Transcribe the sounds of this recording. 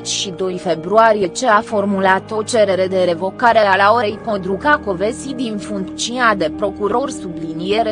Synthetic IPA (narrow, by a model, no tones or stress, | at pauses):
t͡ʃʃid̪o̞jfe̞bɾuaɾije̞t͡ʃe̞afo̞rmulat̪o̞t͡ʃe̞ɾe̞ɾe̞d̪e̞ɾe̞vo̞kaɾe̞alaoɾejkod̪ɾukako̞vesid̪infuŋkt̪t͡ʃiunad̪e̞pɾo̞kuɾo̞rsublinijeɾe